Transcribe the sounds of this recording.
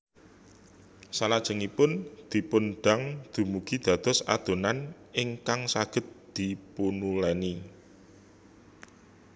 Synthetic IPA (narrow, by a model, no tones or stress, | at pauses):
salad̥ʒ̥ə̤ŋipʊnd̪̥i̤punɖ̥a̤ŋd̪̥ṳmuɡ̥i̤d̪̥ä̤d̪̥ɔ̤sa̰d̪̥o̤nan | ɪŋkaŋsaɡ̥ə̤t̪̚d̪̥i̤punulɛni